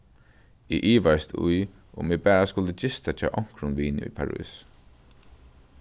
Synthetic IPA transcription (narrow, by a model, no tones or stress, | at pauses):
ɪʔiːʋast̪ʰṵj | ʊ̰mɪːbɛːɹaskʊlt̪ət͡ʃɪst̪at͡ʃ̪ʰa̰ʔɔŋ̥kɾʊnʋiːn̰ʊ̰jpʰaɹṵːs